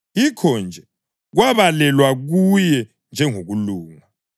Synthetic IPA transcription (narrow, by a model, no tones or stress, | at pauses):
ikʰɔnd͡ʒʱɛ | ɣwaβalɛlwaɣujɛ | nd͡ʒʱɛŋoɣuluːŋa